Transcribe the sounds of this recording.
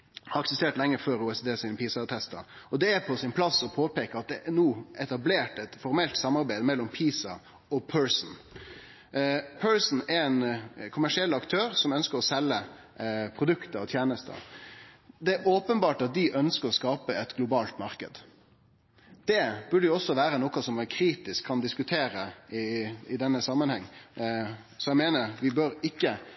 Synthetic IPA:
hɑɾɛksɛst̪eːʈ̪lɛŋːəføːɾuːɛsed̪eːsɪːnəpiːsɑt̪ʰɛst̪ɑ̰ɔd̪ɛæɾpʰɔsɪnpʰlɑsːɔpʰoːpeːkəɾɑt̪̚d̪ɛʔænuːɛt̪ɑbleːʈɛt̪fɔɾmɛlt̪sɑmːɑɾbæɪd̪əmɛlːɔmpʰiːsɑ | ɔpʰœɹsn̩ | pʰœɹsn̩æɾɛnkʰʊmæʂɪɛlːɑkt̪ʰøːɾsɔmœnskəɾɔsɛlːə | pʰɾʊd̪ʉkt̪əɾɔt̪ʰjeːnəst̪ʰə̰ | d̪ɛæoːpənbɑːʈɑt̪̚d̪ɪʔœnskəɾɔskɑːpəɛt̪ɡlʊbɑːlt̪mɑʁkə̰d̪ | d̪̥ɛb̥ʉɖəjʊɔsːɔʋæːɾənɔkɑsɔmʋɛkʰɾiːt̪ɪskʰːɑnd̪ɪskʉt̪ʰeːɾəɪɪd̪ɛnːəsɑmːənhɛŋː | sɔjæɪmeːnəɾʋɪbøɾɪkːə

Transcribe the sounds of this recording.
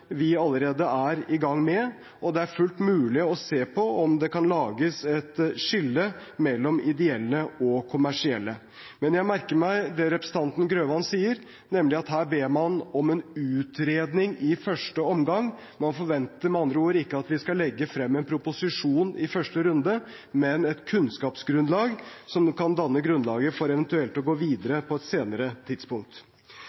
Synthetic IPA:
ʋɪɑlːəɾeːd̪əʔæɾɪɡɑŋːmɛ | ɔd̪ɛæɾfʉlt̪mʉːlɪɔseːpʰɔɔmd̪ɛkɑnlɑːɡəsɛt̪ʂɪlːəmɛlːɔmɪd̪ɛɛlːəɔkʰʊmæʂɪɛ̰lːə | mɛnjæɪmæɾkəɾmæɪd̪ɛɾɛpɾəsət̪ʰɑnt̪n̩ɡɾøːʋɑnsiːəɾ | nɛmlɪɑt̪ɦæːɾbeːmɑnɔmɛnʉːt̪ɾeːd̪nɪŋɪfœʂʈəɔmɡɑŋː | mɑnfɔɾʋɛnt̪əɾmɛɑnd̪ɾəoːɾəɪkːəɑt̪ʋɪskɑlɛɡːəfɾɛmːɛnpʰɾʊpʊsɪʂuːnɪfœʂʈəɾʉnd̪ə | mɛnɛt̪kʰʉnskɑːpsɡɾʉnlɑːɡsɔmkʰɑnd̪ɑnːəɡɾʉnlɑːɡəfɔɾɛʋənt̪ʉɛlt̪ɔɡoːʋiːd̪əɾəpʰɔɛt̪seːnəɾət̪ʰɪd̪spʊŋk̚t̪

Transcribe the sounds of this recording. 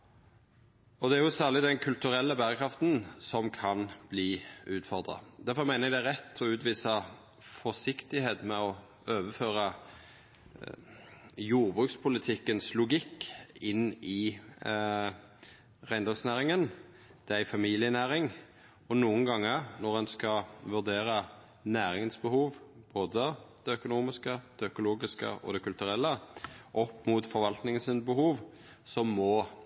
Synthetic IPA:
ɔd̪ɛæɾjʊsæːʁlɪd̪ɛnkʰʉlt̪ʉɾɛlːəbæːʁəkʰɾɑft̪nsɔmkʰɑnb̥liːʉːt̪fɔʁd̪ʁɑ̰d̪æʁfɔʁmæɪnəæɡd̪æɾʁɛt̪ːʰɔʉːt̪ʋiːsə | fɔsɪkt̪ɪheːt̪mɛɔ | øːʋəføːʁə | juːʁbʁʉːkspʰʊlɪt̪ʰɪkːənslʊɡɪkːɪnːɪ | ʁæɪnd̪ɔɡsnæːʁɪŋən | d̪̥ɛæɪfɑmiːlɪənæːʁɪŋ | ɔnuːəŋɡɑŋːənɔʁɛnskɑʋʉd̪eːɾə | næːɾɪŋənsbəhuːʋb̥oːd̪əd̪̥ɛœkʊnuːmɪskəd̪̥ɛœkʊloːɡɪskə̰ʔɔ̰d̪ɛkʰʉlt̪ʉʁɛlːəʔɔpːmʊt̪fɔʁʋɑlt̪nɪŋənsɪnbəhuːʋ | sɔmmːɔ

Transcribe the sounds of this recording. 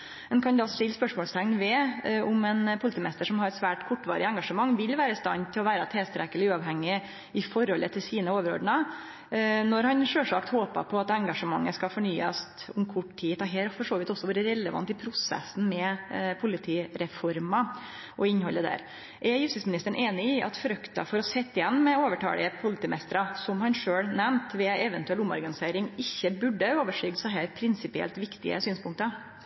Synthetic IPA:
ɛnkʰɑnd̪ɑssɪlːspœʂmɔːlst̪ʰɛŋnʋɛʊmɛnpʰʊlɪt̪iːmnɛst̪əʂɔmhɑɾɛt̪sʋæːʈkʰʊʈːʋɑ̰ːɾɪ̰əɛŋɡɑʂəmɑŋːʋɪlʋæːɾəɪst̪ɑ̰nːt̪ʰɪlɔʋæːɾɑt̪ʰɛlst̪ɾɛkːəlɪʉːɑʋɦɛŋːɪ | ɪfɔɾhɔlʔət̪ʰɪlsiːnəoːʋəɾɔ̰d̪əɳɑ | nɔɾhɑnʂøːʂɑkt̪hoːpɑ̰pʰɔɑt̪ɛŋɡɑʂəmɑŋːəskɑfɔɳyːɑst̪ʊmkʰʊʈtʰiːt̪ɑɦeːlfɔʂoːʋɪt̪ɔsːɔʋuːɾəɾɛləʋɑ̰nt̪ɪpʰɾʊsɛ̰sn̩mɛpʰʊlɪt̪ʰiːɾɛfɔɾmɑ | ʔɔɪnhɔlːəd̪æ̰ːɾ | ʔɛɾjʉst̪ɪsmɪnɪst̪əɳʔeːnɪɪʔɑ̰t̪fɾœkt̪ɑ̰fɔɾɔsɛt̪ːɪjɛnːmɛoːʋəʈʰɑ̰ːlɪ̰əpʰʊlɪt̪iːmɛst̪əɾɑsɔmhɑnʂøːɽnɛmt̪ʋɛɛʋɛnt̪ʉɛlʊmːɔ̰ɾɡɑnɪseːɾɪŋɪçːəbʉɖːəoːʋəʂyːɡsɑɦæːɾpʰɾɪnsɪpɪɛ̰lt̪ʋɪkt̪ɪ̰ə̰syːnspʰʊŋk̚t̪ə

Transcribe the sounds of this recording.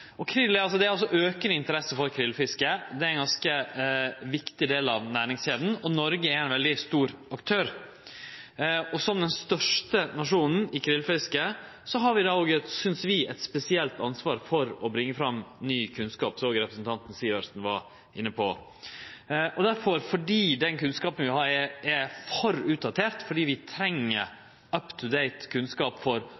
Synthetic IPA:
ɔkʰɾɪlːɑlsɔd̪ɛæɾɔs̬ɔʔøːkənəɪnt̪əɾɛsəfɔɾkʰɾɪlfɪskəd̪ɛæɪnɡɑnskə | ʋɪkt̪ɪd̪eːlɑʋnæːɾɪŋsheːd̪n̩ɔnɔɾɡəæɾɪnʋɛld̪ɪst̪uːɾɑkt̪ʰøːɾ | ɔsɔmd̪ɛnst̪œʂʈənɑʂuːnn̩ɪkʰɾɪlfɪskə | sɔɦɑɾʋɪd̪ɑːoːɡəsʏnsʋɪɛt̪spɛsɪɛlt̪ɑnsʋɑːɾfɔɾɔbɾɪŋːəfɾɑmnyːkʰʉnskɑːpsɔoːɡəɾɛpɾəsnt̪ʰɑnt̪n̩siːʋəʂnʋɑ | ɪnːəpʰɔ | ʔɔd̪æɾfɔɾfɔɖiːd̪ɛnkʰʉnskɑːpənʋɪhɑːɾɛɛfœɾʉːt̪̚d̪ɑt̪ʰeːɾt̪fɔɖiːʋɪt̪ʰɾɛŋːəɾ | œpt̪ʰʉd̪eɪt̪kʰʉnskɑːpfɔɾ

